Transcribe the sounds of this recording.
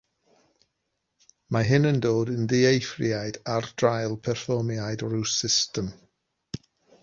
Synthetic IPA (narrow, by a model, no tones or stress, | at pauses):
maɦɪnəndoːdənðɪejfrjajdard̥rajlˠpʰɛrfɔmjajdɾuwsɪstəm